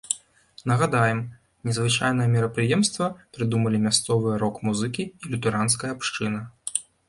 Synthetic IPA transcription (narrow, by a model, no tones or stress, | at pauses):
nɐɣad̪ajɛm | nʲɛzvɨt͡ʂajn̪ɐjɐmʲɛɾɐpɾɨjɛmst̪vɐpɾɨd̪umɐlʲimʲast̪sɔvɨjɛɾɔkmuzɨkʲiːlʲut̪ɛɾans̬kɐjɐpʂt͡ʂɨnɐ